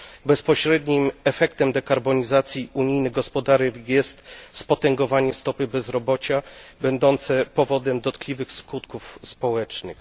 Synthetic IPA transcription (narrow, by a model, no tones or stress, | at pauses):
bɛspɔɕɾɛd̪ɲimɛfɛkt̪ɛmd̪ɛkaɾbɔɲizat̪sʲjiʔuɲijnɘɡɔspɔd̪aɾɛvjɛst̪spɔt̪ɛŋɡɔvaɲɛst̪ɔpɘbɛzɾɔbɔt͡ɕabɛnd̪ɔnt̪sɛpɔvɔd̪ɛmd̪ɔt̪klʲivɘxskut̪kufspɔwɛt͡ʂnɘ̰x